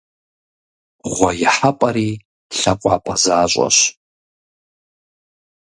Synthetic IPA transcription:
ʁʷɔjɪħapʼɐɾiː | ɬɐqʷʼɑ̰ːpʼɐzaːɕʷʼɐ̰ɕ

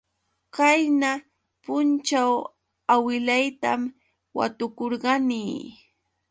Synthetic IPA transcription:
kajna | pʊnt͡ʃaw | awɪlajt̪am | wa̰t̪ʊkoɾɢɑniː

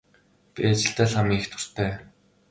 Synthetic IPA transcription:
pʲḭat͡ɕɪ̆ɬt̪æːɮamiːext̪ʰʊ̥r̥t̪ʰæː

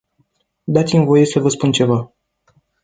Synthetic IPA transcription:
d̪at̪simvo̞je̞səvəspunt͡ʃe̞va

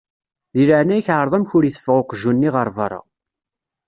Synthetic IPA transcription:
ðiləʕnæjçʕəɾˤðˤæmçʊɾiθə̥fːʁʊqʒunːiʁəɾˤvɑ̰ɾˤɑ̰

